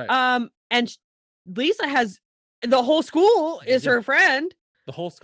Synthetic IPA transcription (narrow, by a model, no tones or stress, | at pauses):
ʌ̃m | ɨ̃n | lisɨɨz | ðəɦoʊlˠskulˠɪz̥ə˞fɹɛ̃nd̥ | ðəhoʊlˠs